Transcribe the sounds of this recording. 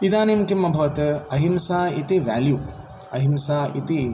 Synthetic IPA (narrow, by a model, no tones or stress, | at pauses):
id̪aːnemkimːɐbʱɐʋɐt̪ɐɦimsaːit̪iʋa̰ːljuː | ɐɦimsaːit̪i